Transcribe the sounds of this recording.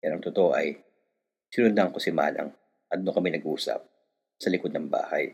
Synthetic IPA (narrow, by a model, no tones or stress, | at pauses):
janɐŋt̪ot̪oʔoʔɐj | sɪnʊnd̪ɐŋko̞sɪma̰ːlɐ̰ŋ | ʔɐd̪̚nokɐmɛnɐɡʔuːsɐ̰p̚ | sɐlɪkod̪̚nɐŋba̰ːhɐj